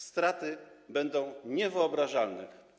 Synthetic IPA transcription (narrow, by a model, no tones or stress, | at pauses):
st̪ɾat̪ɘbɛnd̪ɔ̃w̃ɲɛvɘɔbɾaʐalnɛ